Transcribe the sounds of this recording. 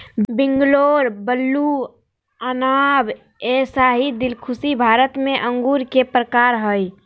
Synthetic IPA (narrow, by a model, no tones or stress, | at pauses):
biŋɡloɾbəlːu | ənab | esaɦid̪ilkʰusibʱaɾət̪meʔəŋɡuɾkepɾəkaɾɦəj